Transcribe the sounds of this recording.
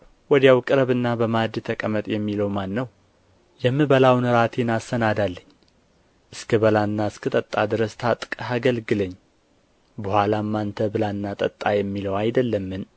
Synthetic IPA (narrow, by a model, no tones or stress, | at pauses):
wɔd̪jawkʼɨɾəβɨnːabəmad̪t̪ʰəkʼəmət̪ʼjɛmːiləwmanːəw | jɛmːɨβəlawnɨɾat̪ʰenasənad̪alːəɲː | ʔɨskʰəbəlanːaɨskʰət̪ʼət̪ʼːad̪ɨɾəst̪ʰat̪ʼkʼaɡəlɡɨləɲː | bəhʷalamːant̪ʰəbɨlanːat̪ʼət̪ʼːajɛmːiləwajd̪əlːəmːɨn